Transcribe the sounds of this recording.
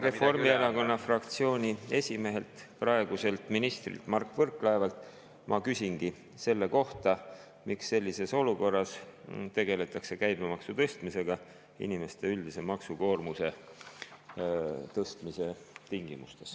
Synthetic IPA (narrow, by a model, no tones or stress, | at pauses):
re̞fo̞rmieɾɑko̞nːɑfrɑkt̪sio̞ːnʲie̞sʲime̞ɦe̞lt̪prɑe̞ɡ̥use̞lt̪ˑminist̪rḭlt̪ˑmɑrkːˑvɤrkːˑlɑevɑlt̪ˑ | mʔɑkysʲinɡ̥i | se̞lːe̞ko̞ht̪ɑ | miksːe̞lʲːise̞so̞luko̞rːɑst̪e̞ɡe̞le̞t̪ːˑɑkse̞kæjb̥emɑksut̪ɤ̞st̪mise̞ɡ̥ɑ | ḭnime̞st̪e̞yld̪ise̞mɑksuko̞ːrmuse̞ | t̪ɤst̪mise̞t̪iŋɡ̥imṵst̪e̞s